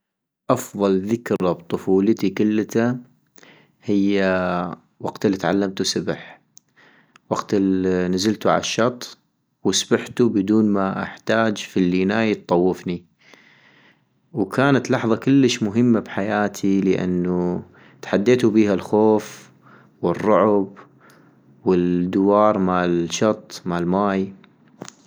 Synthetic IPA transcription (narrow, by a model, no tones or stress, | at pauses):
ʔɑfðˤɑlðɪkɾɑbt̪ˤʊfuːlət̪ikʊlːt̪a | hɪjːa | waɡt̪ɪlːit̪ʕa̰lːamt̪usabɪħ | waɡt̪ɪnazɪlt̪uʕa̰laʃːɑt̪ˤː | wɪsbaħt̪ubɪd̪uːnmaʔa̰ħt̪aːd͡ʒfilːinaːjt̪ˤːɑwːɪfni | wkʰaːnat̪lɑħðˤɑkɪlːəʃmʊɦɪmːabħajaːt̪ʰiləʔa̰nːu | t̪ħad̪ːeːt̪ubiːhalxoːf | wɪrˤːʊʕʊb | wɪld̪ːʊwɑːɾˤmalʃɑt̪ˤːmalmaːj